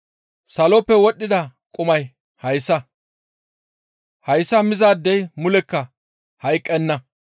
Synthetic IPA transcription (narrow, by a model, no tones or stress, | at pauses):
sɐlɔpːɛwɔɗːɪd̪ɐkʼʊmɐj | hɐjsːɐ | hɐjsːɐmɪzaːd̪ːɛjmʊlɛkːɐ | hɐjkʼːɛnːɐ